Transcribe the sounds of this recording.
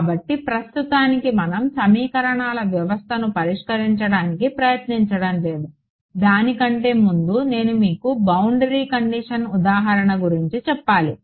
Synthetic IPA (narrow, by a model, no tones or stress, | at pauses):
kːbɐʈːipɾɐst̪ut̪aːnikimɐnɐmsɐmiːkɐɾɐɳaːlɐʋjɐʋɐst̪ʰɐnupɐɾiʂkɐɾiɲt͡ʃɐɽaːnikipɾɐjɐt̪niɲt͡ʃɐɽɐmle̞ːd̪u | d̪aːnikɐɳʈe̞ːmund̪une̞ːnumiːkubɐwuɳɖɐɾiːkɐɳɖiʂɐnud̪aːɦɐɾɐɳɐɡuɾiɲt͡ʃit͡ʃɛpːaːli